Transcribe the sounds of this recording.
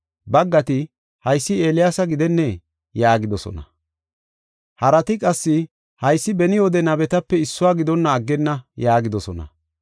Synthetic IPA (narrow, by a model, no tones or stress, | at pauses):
bɐɡːɐt̪ɪ | hɐjsːɪe̞ːlɪjaːsɐɡɪd̪ɛnːɛ | jaːɡɪd̪ɔsɔ̰nɐ̰ | hɐɾɐt̪ɪkʼɐsːɪ | hɐjsːɪbɛnɪwɔd̪ɛnɐbɛt̪ɐpːɛɪsːʊwaːɡɪd̪ɔnːɐːɡːɛnːɐjaːɡɪd̪ɔsɔ̰nɐ̰